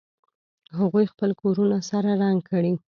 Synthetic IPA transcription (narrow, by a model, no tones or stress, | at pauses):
ɦaɣujxpəlkoɾunasaɾaɾaŋɡkʰəɽi